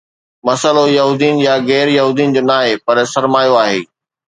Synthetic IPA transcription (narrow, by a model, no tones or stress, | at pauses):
mɐsəlojɐɦuːd̪ijʊn̆jaɣɛːɾjɐɦuːd̪ijʊnɪ̆d͡ʑoːnaːɦepɐɾsɐɾmaːjoaːɦḛː